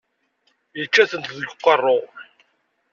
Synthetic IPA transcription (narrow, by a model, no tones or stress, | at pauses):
jət͡ʃːæθənt̪ðəɡqːɑrˤːo